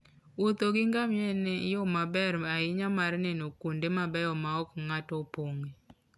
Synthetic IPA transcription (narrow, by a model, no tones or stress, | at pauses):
ot̪oɡɪŋɡamjɛnɛjɔmabɛɾaɪɲamaɾnɛnokondemabɛjɔmaɔkŋatɔpoŋe